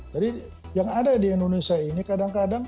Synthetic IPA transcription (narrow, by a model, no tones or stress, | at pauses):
d͡ʒadi | jaŋadadiɛndonesiainikadaŋkadaŋ